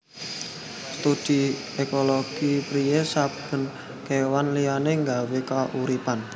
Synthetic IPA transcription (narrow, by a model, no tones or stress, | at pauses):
st̪ud̥i | ekoloɡ̥ipɾijesab̥ə̤n | kewanlijaneŋɡawekaʔuɾipan